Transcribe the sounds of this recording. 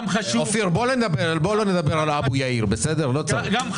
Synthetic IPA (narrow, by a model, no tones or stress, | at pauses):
ofiʁboloned̪abeʁalboloned̪abeʁalabujaiʁbese̞d̪eʁlot͡sa